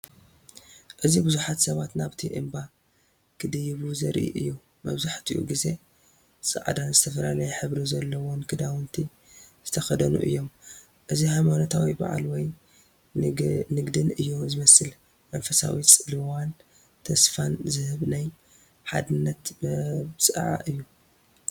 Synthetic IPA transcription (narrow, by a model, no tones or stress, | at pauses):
ʔɨzibɨzuħat̪sɐβat̪naβt̪ʰiʔɨ̰mba | kʰɨd̪ɨjːiβuzɐɾʔḭʔɨ̰jːu | mɐ̰βzaħt̪ʰɨ̰jṵɡize̞ | sʼɨ̰ʕd̪anzɨt̪ʰɐfɐlalɐjɛħɨβɾizɐlːɐwonkʰɨd̪awɨnt̪ʰi | z̥ɨt̪ʰɐxɐd̪ɐnṵʔɨ̰jːo̞m | ʔɨzihajmanot̪ʰawiba̰ʕa̰lwɔj | nɨɡd̪ɨnɨjːuzɨmɐsɨl | mɐnfɐsa̰wit͡sʼɨlɨwan | t̪ʰɐsfanzɨhɨβnaj | ħa̰d̪ɨnːɐt̪bsʼɨʕa̰ʔɨjːu